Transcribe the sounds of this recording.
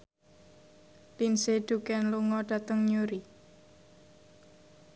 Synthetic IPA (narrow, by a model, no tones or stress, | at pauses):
linsed̪̥ukɛnluŋɔɖ̥ä̤t̪əŋɲuɾi